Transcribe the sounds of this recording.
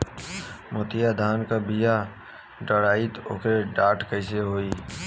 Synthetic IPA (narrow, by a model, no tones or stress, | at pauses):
mʊt̪ijad̪ʱaːnkabija | ɖəɽaːit̪o̰keɖaːʈkəɦɪseɦoːiː